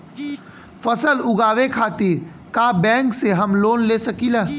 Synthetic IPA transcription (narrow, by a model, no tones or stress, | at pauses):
fɐsəlʊɡaːʋekʰaːt̪iɾ | kaːbɛ̃ːŋkseɦɐmloːnleːsɐkilɛː